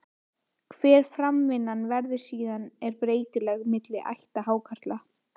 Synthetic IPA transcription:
kʰvɛːɾ̥fɾamvɪnːanvɛɾðʏsiːðanɛɾpɾeːjt̪ɪlɛɣmɪt̪lɪʔa̰jht̪ahaːwkʰar̥t̪la

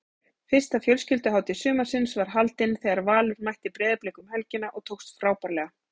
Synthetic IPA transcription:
fɪr̥st̪afjœlscʏlt̪ʏɦaːwt̪ɪsʏːmasɪnsvaɾ̥ɦalt̪ɪnθɛːɣaɾvaːlʏɾmajht̪ɪpɾɛːðɪpleːkʏmhɛlcɪnaʔɔɣt̪ʰowxst̪fɾaːwpaɾlɛːɣa

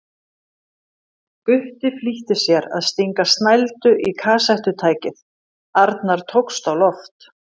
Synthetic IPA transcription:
kpʏht̪ɪfliht̪ɪsjɛɾa̰ðst̪iŋkast̪najlt̪ʏʔikʰaːsajht̪ʏt̪ʰaːjcɪð | aɾt̪naɾ̥t̪ʰowkst̪awlɔft̪

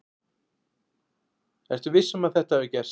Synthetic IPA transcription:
ɛɾ̥t̪ʏvɪsːʏmaðθɛht̪aɛðʏcɛr̥

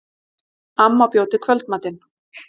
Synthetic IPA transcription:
amːapjowt̪ɪkʰvœlt̪̚mat̪ɪn

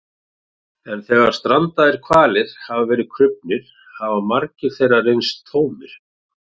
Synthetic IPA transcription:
ɛnθɛːɣaɾ̥st̪ɾant̪aðɛɾ̥kʰvaːlɪɾ̥havavɛːɾɪðkʰɾʏp̚nɪɾ̥ | havamaɾcɪɾ̥θejrarejnst̪ʰːoːwmɪɾ̥

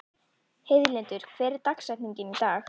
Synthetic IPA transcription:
hɪðlɛnt̪ʏɾ̥kʰvɛːɾɪt̪aksajt̪niɲcɪnit̪aːx

